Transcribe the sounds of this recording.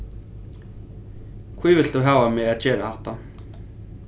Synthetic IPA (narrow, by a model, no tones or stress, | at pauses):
kʰvivɪl̥t̪uɦaːvamɛaðt͡ɕɛːɾahaht̪a